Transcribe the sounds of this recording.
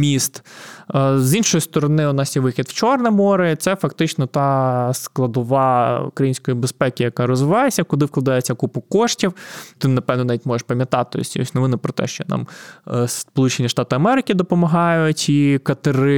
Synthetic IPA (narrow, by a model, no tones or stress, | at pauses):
mʲist̪ | zinʃɔjʊst̪ɔɾɔnɪʊnɑsjɛʋɪxʲid̪wt͡ʃɔrnɛmɔɾɪt̪sɛfɐkt̪ɪt͡ʃnɔt̪ɑsklˠɐd̪ɔʋɑṵkɾɐjinʲsʲkɔjibespɛkʲɪjɐkɑɾɔzʋɪʋɑjesʲːɐkʊd̪ɪwklˠɐd̪ɑjet͡sʲːɐkupʊkːɔʃtʲiwt̪ɪnɐpɛwnɔnɑʋʲitʲmɔʒeʃpɐmʲjɐt̪ɑt̪ɪɔ̰sʲɔ̰sʲnɔʋɪnʊpɾɔt̪ɛ̰ʃt͡ʃɔnɑ̰mspɔlˠut͡ʃenʲiʃt̪ɑt̪ɪɐmɛɾɪkʲɪd̪ɔpɔmɐɦɑjʊtʲikɐt̪ɪɾɪ